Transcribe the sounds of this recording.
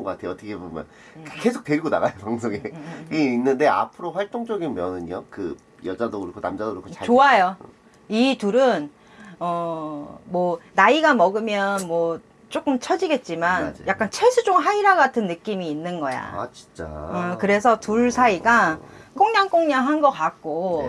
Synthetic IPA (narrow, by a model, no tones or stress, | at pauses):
ŋɡʌkatʰejoʌtʰʌkʰebomjʌn | ke̞sʰok̚t͈eɾiɡona̰ɣajopaŋs̬ʰoɡeiinːɯnde̞a̰pʰɯɾoɸwaɭt͈oŋt͡ɕ͈ʌɡinmjʌnɯɲʌ̰kɯ | jʌd͡ʑadoɡɯɾkʰonamd͡ʑadoɯɾɭkʰot͡ɕat͡ɕoajo | ituɾɯn | ʌ | mwʌnaiɡamʌɡɯmjʌnmwʌ | t͡ɕ͈ok͈ɯmt͡ɕʰʌd͡ʑiɡe̞t̚t͡ɕ͈imanjak̚k͈ant͡ɕʰeɭsʰud͡ʑoŋɦaiɾaɡatʰɯnːɯk͈imiːnːɯnɡʌja̰at͡ɕi̥nt͡ɕ͈a̰ɯkɯɾe̞sʰʌtuɭsʰaiɡak͈oŋɲaŋk͈oŋɲaŋɦanɡʌk͈ak̚k͈o